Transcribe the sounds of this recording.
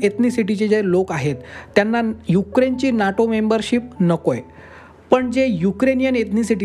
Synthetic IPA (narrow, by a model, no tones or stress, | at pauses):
et̪nisiʈ̬it͡ɕed͡ʑelokaɦet̪ːjanːajukɾent͡ɕiːnaʈomembəɾɕip̚nəkoj | pəɳd͡ʑejukɾenijənet̪nisiʈi